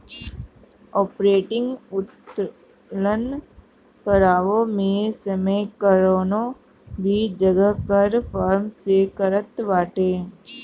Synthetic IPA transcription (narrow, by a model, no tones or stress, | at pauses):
ɔːpɾeːʈɪ̃ŋɡʊt̪ | lən | kəɾaːʋõmẽsəməjkəɾoːnõ | bʱid͡ʒəɡəkəɾpʰaːɾmsekəɾət̪ʋaːʈeː